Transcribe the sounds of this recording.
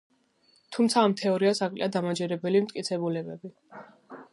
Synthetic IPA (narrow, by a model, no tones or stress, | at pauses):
t̪ʰumt̪sʰaːmt̪ʰɛɔɾiasakʼlḭad̪amad͡ʒɛɾɛbɛlimt̪ʼkʼit̪sʰɛbulɛbɛbi